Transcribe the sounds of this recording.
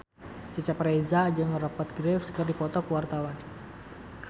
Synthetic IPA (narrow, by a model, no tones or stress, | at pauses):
t͡ʃət͡ʃapɾezad͡ʒɨŋrɔpət̪̚ɡɾɛfskɨrdipɔt̪ɔkuwart̪awan